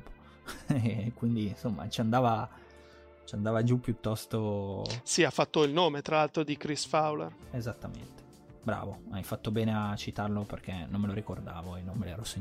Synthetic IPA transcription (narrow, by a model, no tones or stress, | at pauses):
po | ɛkːwind̪insomːa̰t͡ʃiand̪aːva | t͡ʃiand̪aːvad͡ʒupːjut̪ːɔst̪osiafːat̪ːoilnoːmet̪ɾalalt̪ɾod̪ikɾisfawlḛrezat̪ːamḛnt̪e̥ | bɾa̰ːvoajfat̪ːobɛːneat͡ʃit̪arloperk̟enomːeloɾikord̪a̰ːvoenːommelɛ̰ːɾɔseɲ